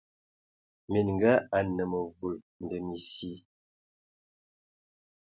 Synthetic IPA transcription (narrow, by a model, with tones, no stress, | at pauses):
mi˨n˨ŋ˨ɡa˦a˨nə˨mə˨vu˨ | n˨də˨mi˨si˦